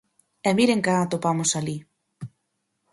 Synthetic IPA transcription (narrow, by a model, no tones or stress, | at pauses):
ɛmiɾeŋkaat̪opamosali